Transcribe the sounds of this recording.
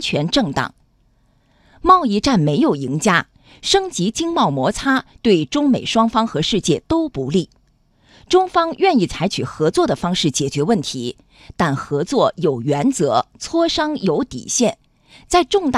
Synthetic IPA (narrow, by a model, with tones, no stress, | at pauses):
t͡ɕʰɥɛ˧˥nʈ͡ʂɤ˥˩ŋt̪ɑ̰˨˩˦ŋ | mɑ˥˧ʊi˥˧ʈ͡ʂa˥˩nme˧˥ɪjo˨˩ʊi˧˥ŋt͡ɕja˥ | ʂɤ˥ŋt͡ɕi˧˥t͡ɕi˥ŋmɑ˥˩ʊmwɔ˧˥t͡sʰa˥t̪we˥˩ɪʈ͡ʂʊ˥ŋme˨˩ɪʂwɑ˥ŋfɑ˥ŋxɤ˧˥ʂɻ̩˥˧t͡ɕjɛ˥˩t̪o˥ʊpu˧˥li˥˩ | ʈ͡ʂʊ˥ŋfɑ˥ŋɥɛ˥˧ni˥˩t͡sʰa˧˥ɪt͡ɕʰy˨˩xɤ˧˥t͡swɔ˥˩d̪ə˩fɑ˥ŋʂɻ̩˥˩t͡ɕjɛ˨˩t͡ɕɥɛ˧˥wə˥˩nt̪ʰi˧˥ | t̪a˥˩nxɤ˧˥t͡swɔ˥˩jo˨˩ʊɥɛ˧˥nt͡sɤ˧˥t͡sʰwɔ˥ʂɑ˥ŋjo˧˥ʊt̪ḭ˨˩ɕjɛ˥˩n | t͡sa˥˧ɪʈ͡ʂʊ˥˧ŋt̪